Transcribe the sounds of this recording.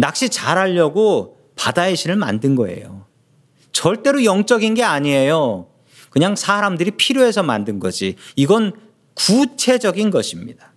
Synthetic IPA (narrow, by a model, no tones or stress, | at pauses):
nak̚ɕ͈it͡ɕaɾaʎːʌɡo | padaeɕʰiɾɯɭma̰ndɯnɡʌ̰e̞̰jo̰ | t͡ɕʌɭt͈e̞ɾojʌŋt͡ɕ͈ʌɡinɡe̞aɲiejo | kɯɲaŋsʰaɾamdɯɾipʰiɾjoɦe̞sʰʌmandɯnɡʌd͡ʑiiɡʌn | kut͡ɕʰe̞d͡ʑʌɡinɡʌɕʰimɲḭd̥a